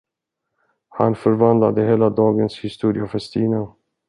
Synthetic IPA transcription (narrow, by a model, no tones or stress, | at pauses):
ha̰nfœɾvand̪la̰d̪əɦeːlad̪ɑːɡənshɪst̪uːɾɪafɛst̪ʰiːna